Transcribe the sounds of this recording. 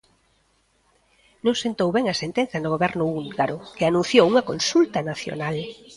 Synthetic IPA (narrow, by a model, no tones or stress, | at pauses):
nõŋsent̪owβɛŋɐsent̪ẽn̟θɐnʊɣoβɛɾnʊulɡaɾʊkɪanũnθjowuŋɐkonsult̪ɐnaθjo̰nal